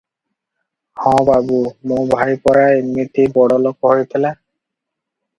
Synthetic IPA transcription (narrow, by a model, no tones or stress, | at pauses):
hɔ̃babumʊbʱajpɔɹaenmit̪ibɔɽɔlɔk̚ɔɦojpʰɛla